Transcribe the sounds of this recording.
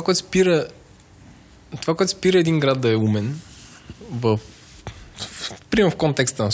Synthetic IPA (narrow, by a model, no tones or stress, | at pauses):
akɔɛt̪spiɾə | t̪ovak̬ɔɛt̪spiɾəɛd̪inɡɾad̪̚d̪ɐɛumɛn | vəf | pɾʲimɛɾfkɔnt̪ɛkst̪ən